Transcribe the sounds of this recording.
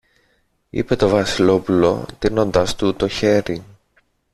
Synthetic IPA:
ḭpe̞t̪o̞vɐsilo̞pulo̞̰t̪ino̞nd̪ɐst̪ut̪o̞çe̞ɾi

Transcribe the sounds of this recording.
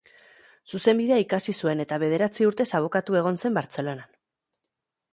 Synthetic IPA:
suse̞mbiðe̞aikasisue̞ne̞t̪aβ̞e̞ð̞e̞ɾat͡siuɾt̪e̞saβ̞o̞kat̪ue̞ɣ̞o̞nse̞mbaɾt͡se̞lo̞nan

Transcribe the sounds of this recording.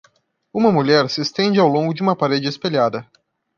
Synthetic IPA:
ũmɐmuʎɛɾsɪːst̪ẽnd͡ʒɪawlõŋɡʊd͡ʒɪũmɐpaɾed͡ʒɪespeʎad̪ɐ

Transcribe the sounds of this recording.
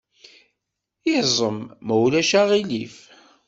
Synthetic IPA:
jizˤəmːəwlæʃaʁilif

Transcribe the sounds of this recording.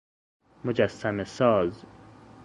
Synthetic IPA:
mod͡ʒasːæmesɒːz

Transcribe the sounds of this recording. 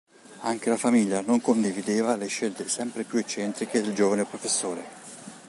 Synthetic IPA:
aŋk̟elafamiʎːanoŋkond̪ivid̪eːvaleʃːelt̪esɛmpɾepjuet͡ʃːɛnt̪ɾik̟ed̪eld͡ʒoːvanepɾofesːoːɾe

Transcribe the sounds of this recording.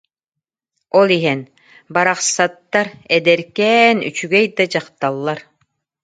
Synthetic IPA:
ɔlˠiɦɛn | baɾaχsat̪ːaɾɛd̪ɛɾkɛːny̰t͡ʃyɡɛjd̪ad͡ʑaqt̪alˠːaɾ

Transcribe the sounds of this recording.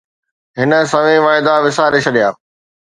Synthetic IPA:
ɦɪnə̆sɐʋẽʋaːɦɪd̪aʋɪsaːɾet͡ʃʰɐɗijaː

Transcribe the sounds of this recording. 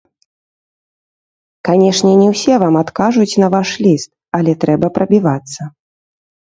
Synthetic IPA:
kanʲɛʂnʲɛnʲɛwsʲɛvamat̪kaʐut͡sʲnɐvaʂlʲist̪̚ɐlʲɛt̪ɾɛbɐpɾɐbʲivat̪sːɐ

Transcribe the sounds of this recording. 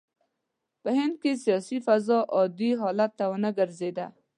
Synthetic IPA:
pəɦɪnd̪̚kesijɔsifazɔʔɔd̪iɦɔlat̪ːawənaɡəɾzed̪a̰

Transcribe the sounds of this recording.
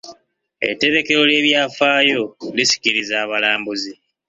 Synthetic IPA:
e̞̰tːe̞ɾe̞ke̞ɾo̞le̞ːβjaːfaːjo̞lisi̥kiɾizaːβalaːmbuzi

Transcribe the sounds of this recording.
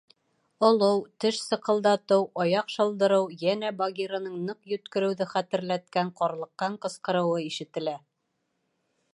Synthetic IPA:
ŏlˠɤwt̪ɘʃsɤ̆qɤ̆lˠd̪ɑt̪ɤwɒjɑqʃɤ̆lˠd̪ɤ̆ɾɤwjænæbɑɡʲiɾanɤɴnɤqjɵ̆t̪kɵ̆ɾɘ̆wðɘχæt̪ɘ̆ɾlæt̪̚kæɴqɒɾlˠɤ̆qːɑɴqɤ̆sqɤ̆ɾɤ̆wɤiʃɘ̆t̪ɘ̆læ

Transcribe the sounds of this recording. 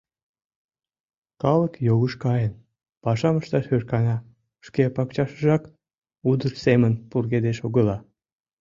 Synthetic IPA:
kɑləkjoɣəʃkɑjən | pɑʃɑməʃt̪ɑʃørkɑnɑ | ʃkepɑkt͡ɕɑʃəʒɑk | ud̪ərsemənpurɣed̪eʃoɣəlɑ

